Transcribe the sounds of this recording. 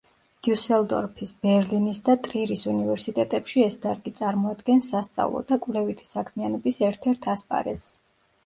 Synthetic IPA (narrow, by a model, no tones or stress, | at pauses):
d̪̥ijusɛld̪ɔ̰ɾpʰisb̥ɛɾlinisd̪at̪ʼɾiɾisunivɛɾsit̪ʼɛt̪ʼɛpʃiɛsd̪aɾɡit̪sʼaɾmɔad̪ɡɛnsːast̪sʼa̰vlˠɔ̰d̪akʼvlɛvit̪ʰi̥sakʰmianɔbisɛɾt̪ʰɛɾt̪ʰaspʼa̰ɾɛs